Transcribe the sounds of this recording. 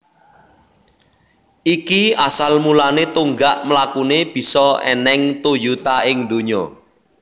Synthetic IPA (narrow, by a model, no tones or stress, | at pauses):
ʔikiasalmulanet̪uŋɡaʔmlakuneb̥i̤sɔɛ̰nɛŋt̪ojut̪aɪŋd̪o̤ɲɔ